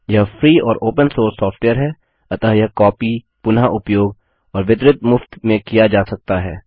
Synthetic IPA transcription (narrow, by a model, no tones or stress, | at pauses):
jɐɦfʰɾiːɔːɾʔoːpə̃nsoːɾsːɔːfʈweːəɾɦɛː | ɐt̪aɦjɐɦkɔːpi | pʊnaʔʊpjoːɡ | ɔːɾʋɪt̪ɾɪt̪mʊft̪mẽkijad͡ʒaːsɐk̚t̪aɦɛː